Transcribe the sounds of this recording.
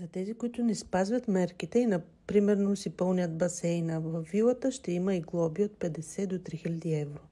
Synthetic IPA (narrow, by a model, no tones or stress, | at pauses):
zɐt̪ɛzikoit̪ʊnɛspazvʲɐt̪mɛɾkit̪ɛinɐ | pɾimɛɾnosipɤlˠnjət̪̚bɐsɛjnɐvɐvilˠət̪əʃt̪ɛimɐiɡlˠɔbiot̪̚pɛd̪ɛsɛd̪ot̪ɾixilʲɐd̪iɛvɾo